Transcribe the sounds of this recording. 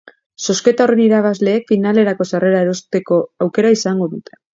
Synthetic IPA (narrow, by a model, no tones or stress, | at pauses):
so̞ske̞t̪aore̞niɾaβazle̞ːkfinale̞ɾako̞sare̞ɾaeɾo̞st̪e̞ko̞awke̞ɾaisaŋɡo̞ðut̪ʰe̥